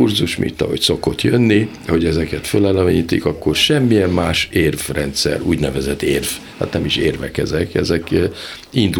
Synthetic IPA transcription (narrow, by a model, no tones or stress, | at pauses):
urzuʃmʔḭnt̪ɒ̰ɦo̞̰cso̞ko̞t̪jønːi | ho̞ɟɛzɛkɛt̪følɛlɛmɛɲit̪ḭkɒkːo̞rʃɛmːijɛmːaːʃeːrvrɛnt̪sɛ̰ɾuːɟnɛvɛzɛt̪ːeːrvha̰t̪nɛmiʃeːrvɛ̰kɛzɛkɛzɛk | ind̪u